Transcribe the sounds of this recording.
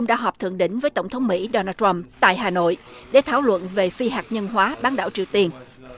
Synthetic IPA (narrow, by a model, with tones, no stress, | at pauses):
ŋ͡mɗa̰ː˧˥ɦɔː˨˩p̚t̪ʰɨ̰˧˨ŋɗï˧˥ŋ̟vəː˨˦jt̪ə˧˩wŋ͡mt̪ʰə˨˦wŋ͡mmḭ˧˥ɗɔ˧naː˧ta˧mt̪a̰ː˧˨jɦaː˨˩no̰˧˨jɗe˧˩t̪ʰa̰ː˧˩wlwə̰˧˨nve˨˩fi˧ɦaː˨˩k̚ɲə˧nɦwaː˨˦ɓaː˨˦nɗa̰ː˧˩wt͡ɕi˨˩əwt̪i˧ən